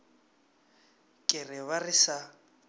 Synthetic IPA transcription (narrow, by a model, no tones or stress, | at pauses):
kʼɪrɪβarɪsa